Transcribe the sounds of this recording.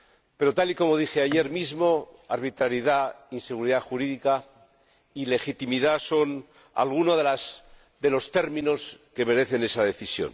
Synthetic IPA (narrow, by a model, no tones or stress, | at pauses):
pe̞ɾo̞t̪aliko̞mo̞ð̞ixeaʝe̞ɾmizmo̞aɾβit̪ɾaɾjiðainse̞ɣuɾiðaxuɾiðika | ile̞xit̪imiðaso̞n | a̰lɣunoðelas | d̪e̞lo̞st̪e̞ɾmĩno̞ske̞me̞ɾe̞θe̞ne̞saðe̞θisjo̞̰n